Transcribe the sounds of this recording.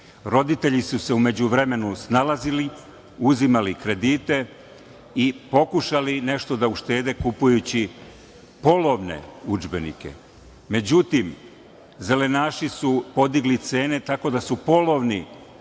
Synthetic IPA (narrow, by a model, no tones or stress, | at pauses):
ɾo̞d̪it̪e̞ʎisuse̞ume̞d͡ʑuʋɾe̞me̞nusnalazili | uzimalikɾe̞d̪iːt̪e̞ | ipo̞kuʃaline̞ʃt̪o̞d̪auʃt̪e̞ːd̪e̞kupujut͡ɕi | po̞lo̞ʋne̞̰ud͡ʒbe̞nḭke̞̰ | me̞d͡ʑut̪im | ze̞le̞naːʃisupo̞d̪iɡlit̪se̞ːne̞t̪ako̞d̪asupo̞lo̞ʋni